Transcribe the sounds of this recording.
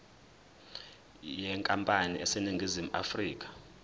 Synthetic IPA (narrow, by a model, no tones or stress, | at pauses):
jɛŋkʼampʼaniɛseniŋɡʱizimuʔa̰friːk̬ʼḁ